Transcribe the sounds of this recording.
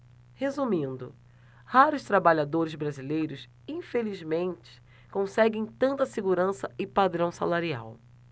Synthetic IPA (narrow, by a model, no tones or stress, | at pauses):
hezumĩnd̪ʊ̰ | haɾʊʃt̪ɾabaʎad̪oɾɪzbɾazilejɾʊs | ĩfelizmẽnt͡ʃɪ̥ | kõsɛɡẽj̃t̪ɐ̃nt̪ɐseɡuɾɐ̃sɐɪpad̪ɾɐ̃w̃salaɾia̰w